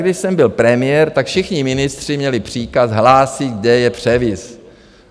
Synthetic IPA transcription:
ɡdɪʃsɛmbɪlpɾɛmɪjɛɾt̪akfʃɪxɲɪmɪnɪst̪r̥ɪmɲɛlɪpr̝̥iːkazɦlaːsɪɡdɛjɛpr̝̥ɛvɪs

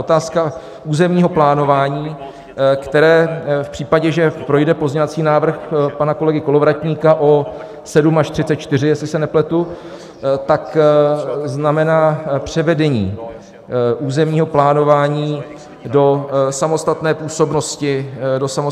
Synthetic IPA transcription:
ot̪aːska | uːzɛmɲiːɦo̞plaːno̞vaːɲiː | kt̪ɛɾɛːfpr̥iːpaɟɛʒɛpɾo̞jdɛpo̞zɲɛvat͡siːnaːvr̩xpanako̞lɛɡɪko̞lo̞vɾacɲiːkaʔo̞ | sɛdumaʃt̪r̥ɪtt͡sɛt̪̚t͡ʃt̪ɪr̝ɪjɛslɪsɛnɛplɛt̪u | t̪ak | znamɛnaːpr̝̥ɛvɛdɛɲḭː | ʔuːzɛmɲiːɦo̞plaːno̞vaːɲiː | do̞samo̞st̪at̪nɛːpuːso̞bno̞scɪdo̞samo

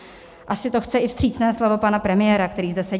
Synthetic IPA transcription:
ʔasɪt̪o̞xt͡sɛʔɪfst̪r̝̥iːt͡snɛːslovo̞panapɾɛmɪjɛːɾakt̪ɛɾiːzdɛsɛ

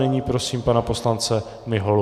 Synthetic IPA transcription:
ɛɲiːpɾo̞siːmpanapo̞slant͡sɛ | mɪɦol

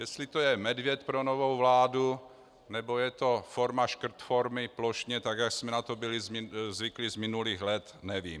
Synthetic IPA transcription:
jɛslɪt̪ojɛmɛdvjɛt̪pɾonovowvlaːdu | nɛbo̞jɛt̪o̞foɾmaʃkr̩t̪foɾmɪploʃɲɛt̪aɡjaksmɛnat̪obɪlɪzmɪzvɪklɪzmɪnuliːɣlɛt̪nɛvḭːm

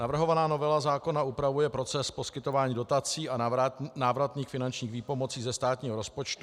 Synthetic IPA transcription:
navr̩ɦo̞vanaːno̞vɛlazaːko̞naʔupɾavujɛpɾo̞t͡sɛspo̞skɪt̪o̞vaːɲiːdo̞t̪at͡siːanaːvɾat̪niːxfɪnant͡ʃɲiːxviːpomo̞t͡siːzɛst̪aːt̪ɲiːɦoɾo̞spo̞t͡ʃt̪u

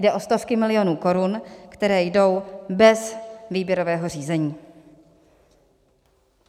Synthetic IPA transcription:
dɛʔo̞st̪o̞fkɪmɪlɪjo̞nuːko̞ɾunkt̪ɛɾɛːjdo̞wbɛsviːbjɛɾo̞vɛːɦo̞r̝iːzɛɲiː

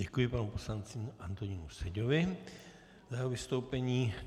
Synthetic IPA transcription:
ɛkujɪpanuuposlant͡sɪʔant̪oɲinusɛɟovɪ | zaovɪst̪owpɛɲiː

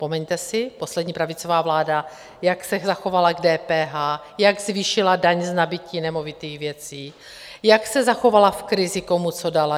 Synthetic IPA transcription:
spo̞mɛɲt̪ɛsɪpo̞slɛdɲiːpɾavɪt͡so̞vaːvlaːda | jaksɛzaxo̞valaɡdɛːpɛːɦaː | jaɡzviːʃɪladaɲznabɪciːnɛmo̞vɪt̪iːxvjɛt͡siː | jaksɛzaxo̞valafkɾɪzɪt̪o̞mut͡so̞dala

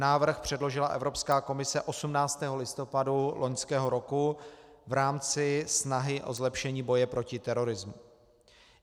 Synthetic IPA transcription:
naːvr̩xpr̝̥ɛdlo̞ʒɪlaʔɛ̰vɾo̞pskaːko̞mɪsɛʔo̞sumnaːt͡st̪ɛːɦo̞lɪst̪o̞padulo̞ɲskɛːɦo̞ɾo̞kuvɾaːmt͡sɪsnaɦɪʔo̞zlɛpʃɛɲiːbo̞jɛpɾo̞cɪt̪ɛɾo̞ɾɪzmu

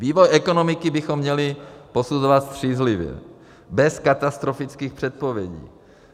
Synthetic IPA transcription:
viːvojʔɛko̞no̞mɪkɪbɪxomːɲɛlɪpo̞suzovat̪st̪r̥iːzlɪvjɛ̰ | bɛskat̪ast̪ɾofɪt͡skiːxpr̥ɛt̪̚povjɛɟḭː

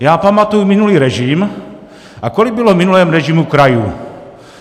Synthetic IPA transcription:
jaːpamat̪ujumɪnuliːɾɛʒɪm | ʔakolɪɡ̚bɪlomɪnulɛːmɾɛʒimukɾajṵ

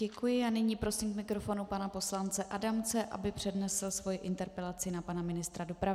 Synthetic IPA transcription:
ɛkujɪʔanɪɲiːpɾo̞siːmkmɪkɾo̞fo̞nupanapo̞slant͡sɛʔadamt͡sɛʔa̰bɪpr̝̥ɛdnɛsl̩svo̞jɪʔɪnt̪ɛɾpɛlat͡sɪnapanamɪnɪst̪ɾadopɾavɪ

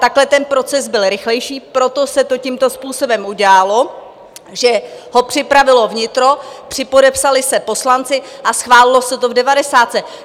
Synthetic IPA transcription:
t̪aklɛt̪ɛnpɾo̞t͡sɛzbɪlɾɪxlɛjʃiːpɾo̞t̪o̞sɛt̪o̞cimt̪o̞spuːso̞bɛmʔuɟaːlo̞ | ʒɛho̞pr̝̥ɪpɾavɪlo̞vɲɪt̪ɾo̞pr̝̥ɪpo̞dɛpsalɪsɛpo̞slant͡sɪʔasxvaːlɪlo̞sɛt̪o̞vdɛvadɛsaːt̪sɛ

